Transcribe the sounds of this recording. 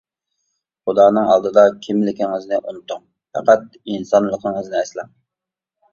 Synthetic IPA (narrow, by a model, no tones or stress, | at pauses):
χʊd̪ɑːnɨŋɑ̰lˠd̪ɨd̪ɑkʲʰimlɪkʲɪŋəznɪʔunɨt̪ʊŋ | fɛ̰qæt̪̚ | insɑnlˠəqŋəznɪɛslɪŋ